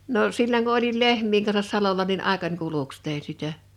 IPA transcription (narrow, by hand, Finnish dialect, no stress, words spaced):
no silːoŋ ku olil lehmˑiːŋ kɑnsɑs sɑlolɑ nin ɑˑekɑnʲ kuluks teˑin̞ sitæ